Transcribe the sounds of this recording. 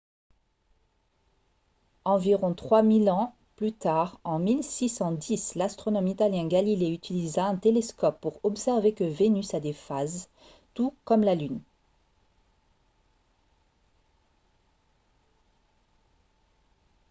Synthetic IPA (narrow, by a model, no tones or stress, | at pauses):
ɑ̃viʁɔ̃t̪χwamilɑ̃ | plyt̪aʁɑ̃milsisɑ̃d̪islast̪χɔnɔmit̪aljɛ̃ɡalileyt̪ilizaɛ̃t̪eleskɔpːuʁɔpsɛʁvekəvenysad̪efaz | t̪ukɔmlalyn